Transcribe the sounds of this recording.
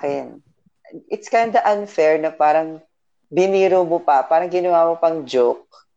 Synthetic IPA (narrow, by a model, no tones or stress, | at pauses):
kɛn | ʔɪt̪skajnd̪ɐʔɐnfɛɹnɐpaːɾɐŋ | bɪniːɾomopɐpaːɾɐŋɡɪnɐwaːmopɐŋd͡ʒok̚